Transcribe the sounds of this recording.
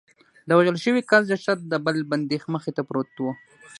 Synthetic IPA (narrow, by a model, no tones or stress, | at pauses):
d̪əwaʒəlʃəwikazd͡ʒaʃat̪̚d̪əbəlband̪exməxet̪apɾot̪wo